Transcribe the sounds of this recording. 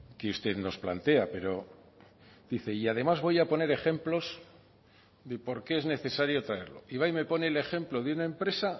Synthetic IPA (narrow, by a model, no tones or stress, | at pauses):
keust̪e̞ðno̞spla̰nt̪e̞ape̞ɾo̞ | d̪̥iθe̞iað̞e̞mazβo̞japo̞ne̞ɾe̞χe̞mplo̞z | ðe̞po̞ɾke̞ezne̞θe̞saɾjo̞t̪ɾae̞ɾlo̞̰iβajme̞po̞ne̞le̞xe̞mplo̞ðeunaempɾe̞sa